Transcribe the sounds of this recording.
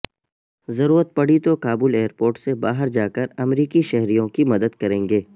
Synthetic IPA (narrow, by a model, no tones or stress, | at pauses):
zɐɾuːɾət̪̚pɐɽ̤it̪okaːbuːleːəɾpoːɾʈsebaːɦəɾd͡ʒaːkəɾɐmɾiːkiʃɛɦɾijõkimɐd̪əd̪̚kɐɾẽːŋɡeː